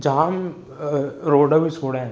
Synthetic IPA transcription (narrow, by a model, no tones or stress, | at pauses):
d͡ʒaam | ɾoːɖəbʱit͡ʃʰoːɽẽ